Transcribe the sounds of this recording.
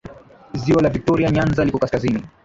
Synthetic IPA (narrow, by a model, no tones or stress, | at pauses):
ziwalavik̚tɔɾiaɲanzalikɔkaskazini